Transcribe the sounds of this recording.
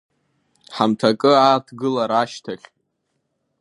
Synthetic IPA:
ħamtʰakʼɨaːtʰɡɨlaɾaʃtʰaχʲ

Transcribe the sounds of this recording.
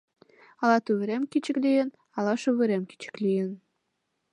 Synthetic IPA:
ɑlɑt̪uβeɾemkit͡ɕə̆klijən | ɑlɑʃuβɘɾemki̥t͡ɕə̥klijən

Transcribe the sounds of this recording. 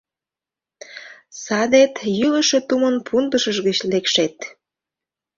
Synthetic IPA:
sɑd̪et̪jyləʃet̪umənpʰund̪əʃəʒɣət͡ɕlekʃet̪

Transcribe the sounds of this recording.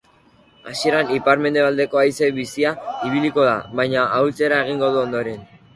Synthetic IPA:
asie̞ɾanipaɾme̞nd̪eald̪e̞ko̞ajse̞βisiaiβiliko̞ða̰βajɲaʔawlt͡se̞ɾae̞ɣ̞iŋɡo̞ð̞uond̪o̞ɾe̞n

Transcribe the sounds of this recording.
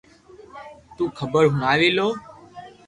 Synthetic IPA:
t̪uːkʰəbəɾɦʊnaːʋiːloː

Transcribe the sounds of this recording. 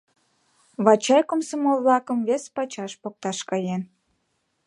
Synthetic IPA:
βɑt͡ɕɑjkomsomoβlɑkəmvespɑt͡ɕɑʃpok̚t̪ɑʃkɑjen

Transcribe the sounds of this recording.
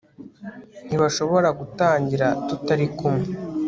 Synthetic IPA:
n̥iβaʃo̞βo̞ɾaɡutaːɲɟiɾatutaɾikumŋe

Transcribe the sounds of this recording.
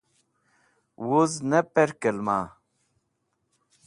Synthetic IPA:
woznɐpeɾkəlmaː

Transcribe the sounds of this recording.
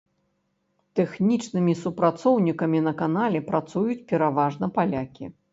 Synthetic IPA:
t̪ɛxnʲit͡ʂnɨmʲisupɾat̪sɔwnʲikɐmʲinɐkanalʲɛpɾat̪sujut͡sʲpʲɛɾavaʐnɐpalʲakʲḭ

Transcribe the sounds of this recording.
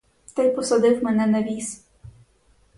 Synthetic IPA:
t̪ɛjpɔsɔd̪ɪwmɛnɛnɐʋʲis

